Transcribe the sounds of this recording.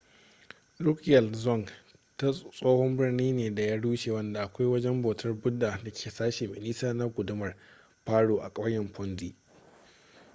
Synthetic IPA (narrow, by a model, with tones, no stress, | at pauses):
dʊ˦kjɛ˨lzɔ˦˨ŋ | ta˦sʼoː˦hɔ˦mbɪ˦rniː˦neː˨da˨ja˦ɽuː˦ʃeː˨wɐ˦nda˨ʔa˨kʷa˦jwɐ˦d͡ʒɛ˦mboː˨tʰɐ˦rbʊ˦dːaː˨na˦kʲʰeː˨saː˦ʃe˨mɪ̰˨niː˦saː˦na˦ɡʷʊ˨dʊ˦mɐ˨r | ɸaː˦ɽoː˨ʔa˨kʼɐ˦ɐ˦jɛ˨mɸɔ˦nziː˦ʔ